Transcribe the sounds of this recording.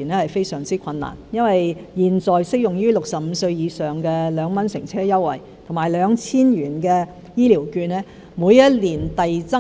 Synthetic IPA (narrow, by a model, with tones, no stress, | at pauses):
i˨˩nɛː˥hɐ˨jfe˥jsœː˨˩ŋt͡siː˥kʰɐ˧nːa̰ː˨˩njɐ˥nwɐ˨jjiː˧nt͡sɔː˨jsɪ˥k̚jʊ˨ŋjyː˥lʊ˨k̚sɐ˨p̚m̩ː˨˧sɵ˧ɥjiː˨˧sœː˨ŋkɛː˧lœː˨˧ŋmɐ˥nsɪ˨˩ŋt͡sʰɛː˥jɐ˥wːɐ̰˨˩j | t̪ʰʊ˨˩ŋmaː˨˩jlœː˨˧ŋt͡sʰiː˥njyː˨˩nkɛː˧ | jiː˥liː˨˩wkyː˧nɛː˥ | muː˨˧jjɐ˥t̚liː˨˩nt̪ɐ˨jt͡sɐ˥